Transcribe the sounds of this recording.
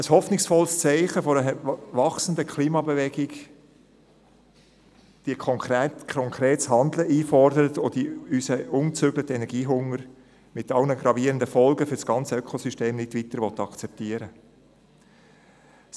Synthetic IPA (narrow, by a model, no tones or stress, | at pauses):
əshɔfnɪksfɔlst͡sɛɪχəfɔɾəəvɑksən̩dəkʰliːmɑbevɛɡɪɡ | d̥iəkʰɔŋkːtkʰɔŋkʰɾeːtshɑnd̪ləʔiːfɔrdəɾət̪od̥iysəʊnt͡sʏɡlətəɛnɛɾɡiːɦʊŋəɾ | mɪtɑlnəɡɾɑviːəɾəndəfɔlɡəfʏd̥sɡ̥ɑnt͡səøkʰɔsysteːmnɪdʋitəɾʋɔt̪ːɑkt͡sɛp̚tiəɾə